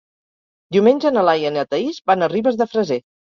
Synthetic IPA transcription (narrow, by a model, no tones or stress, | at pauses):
d̪iumenʲʒənəlajənət̪əizbanəriβəzðəfɾəze